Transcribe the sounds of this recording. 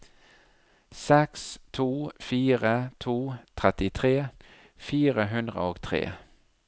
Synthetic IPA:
sɛkst̪ʰuːfiːʁət̪ʰuːt̪ʰʁɛt̪ɪt̪ʰʁeː | fiːʁəɦʉnd̪ʁə̰oːɡt̪ʰʁḛː

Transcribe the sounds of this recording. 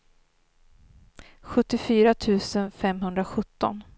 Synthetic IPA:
ɧɵt̪ːɪfyːɾat̪ʰʉ̟ːsənfɛmɦɵnd̪ɾaɧɵt̪ːɔ̰n

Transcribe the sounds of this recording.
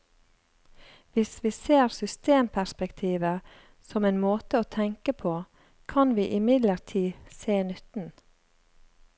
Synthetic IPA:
ʋɪsʋiːseːɾsʏst̪eːmpʰæspɛkt̪ʰiːʋə | sɔmeːnmoːt̪əoːt̪ʰɛŋkəpʰoː | kʰɑnʋiːʔɪmɪd̪ləɾtʰiːseːnʏt̪n̩

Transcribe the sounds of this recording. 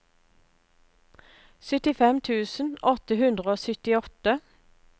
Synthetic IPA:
sœt̪ɪfɛmt̪ʰʉːsn̩ɔt̪əhʉnd̪ʁəoːsœt̪ɪɔt̪ə

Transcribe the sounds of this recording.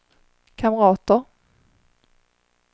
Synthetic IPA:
kʰaməɾɑːt̪əɾ

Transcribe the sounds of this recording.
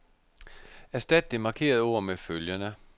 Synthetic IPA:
æsd̥æd̥d̥emɑ̈kʰe̝̰ːɐð̞̩ˠo̝ɐ̰meføljənə

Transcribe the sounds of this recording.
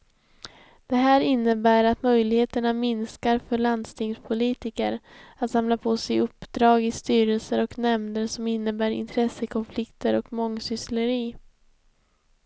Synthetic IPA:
d̪̥ɛɦæːɾɪnːəbæːɾat̪mœjlɪɡheːt̪əɳamɪnskaɾfœɭand̪st̪ʰɪŋspʰʊliːt̪ɪkə̰ɾat̪samlapʰosɛjɵpːd̪ɾɑːɡɪst̪yːɾəlsəɾɔknɛmd̪əɾsɔmɪnːəbæːɾɪ̰nt̪ʰɾɛsːəkʰɔnflɪkt̪əɾɔkmɔŋːsʏsləɾiː

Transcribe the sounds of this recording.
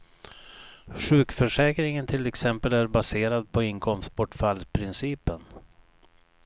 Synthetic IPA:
ɧʉ̟ːkfœʂɛːkɾɪŋənt̪ʰɪlɛksɛmpəlæɾbaseːɾad̪̚pʰɔɪŋkʰɔmst̪̚pʰɔʈːfalpʰɾɪnsiːpən

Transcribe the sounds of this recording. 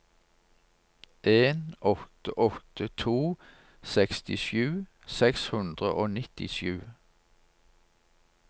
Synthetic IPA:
ʔeːnɔt̪əʔɔt̪ʰət̪ʰuː | sɛkst̪ɪʃjʉː | sɛkshʉnd̪ʁəʔoːnɪt̪ɪʃjʉ̰ː

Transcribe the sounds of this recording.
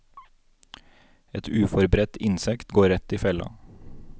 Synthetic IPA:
ɛt̪ʰʉːfɔɾbɾɛt̪ɪnsɛkt̪ɡoːɾɛt̪iːfɛlɑ̰

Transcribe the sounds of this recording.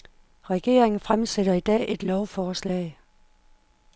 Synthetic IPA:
ʁɛɡ̥e̝̰ːɐe̝ŋn̩fʁamseɾ̥ɐid̥ɛ̰ːʔe̝d̥lɒʊfɒːslɛ̰ːɪ

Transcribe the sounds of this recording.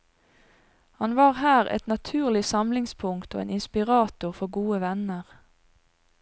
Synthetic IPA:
hɑnʋɑːʁhæːʁɛ̰t̪nɑt̪ʰʉːʁlɪsɑmlɪŋspʰʊŋkt̪oːḛːnɪnspɪʁɑːt̪ʊʁfɔʁɡuːəʋɛnəʁ

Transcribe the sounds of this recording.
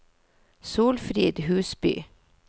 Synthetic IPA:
suːlfɾiːd̪hʉːsby̰ː

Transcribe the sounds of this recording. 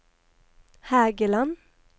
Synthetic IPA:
hæːɡəlɑn

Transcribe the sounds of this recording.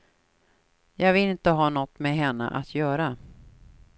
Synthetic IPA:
jɑːɡvɪlɪnt̪əɦɑːnɔt̪ːmeɦɛnːə̰ʔat̪ʰjœːɾa

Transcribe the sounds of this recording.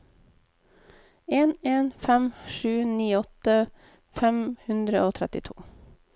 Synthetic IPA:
eːneːnfɛmʃʉːniːɔt̪ə | fɛmhʉnd̪ɾəʔoːt̪ʰɾɛt̪ɪt̪ʰṵː

